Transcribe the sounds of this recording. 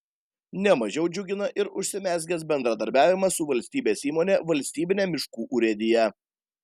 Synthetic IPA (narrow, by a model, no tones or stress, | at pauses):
nʲɛmɐʒʲɛʊd͡ʒʲʊɡʲɪnɐʔɪɾʊʃʲsʲɪmʲæːzʲɡʲɛsbʲɛnd̪ɾɐd̪ɐɾʲbʲæːʋʲɪmɐsʊʋɐlʲsʲt̪ʲiːbʲeːsiːmoːnʲeʋɐlʲsʲt̪ʲiːbʲɪnʲɛːmʲɪʃkuːʔʊɾʲɛd̪ʲɪjɛ